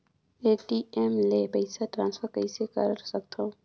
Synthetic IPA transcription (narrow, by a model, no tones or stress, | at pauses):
eːʈiemlepəɪsaʈɾãːnsfʰəɾkəisekə̰ɾsɐk̚t̪ʰõː